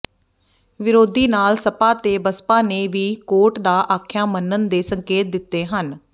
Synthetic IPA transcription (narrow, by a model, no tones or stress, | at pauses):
ʋɪɾoːd̪iːnaːlsəpaːt̪eːbəspãːneːʋiːkoːʈd̪aːʔaːkʰjaːmənːənd̪eːsəŋkeːt̪̚d̪ɪt̪ːeːɦən